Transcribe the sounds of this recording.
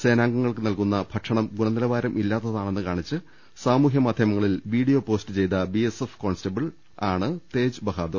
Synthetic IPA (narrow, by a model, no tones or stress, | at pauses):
se̞ːnaːŋɡɐŋːɐɭkɨnɐlkun̪ːɐbʱɐʈʂɐɳɐmɡuɳɐnilɐʋaːɾɐmʔilːaːt̪ːɐðaːɳe̞nːɨkaːɳit͡ɕːɨ | saːmuːɦjɐmaːd̪ʱjɐmɐŋːɐɭilʋiːɽijo̞ːpo̞ːstɨt͡ɕe̞jt̪ɐbiesefko̞ːnstɐbɐɭ | aːɳɨt̪e̞ːd͡ʑɨbɐɦaːd̪u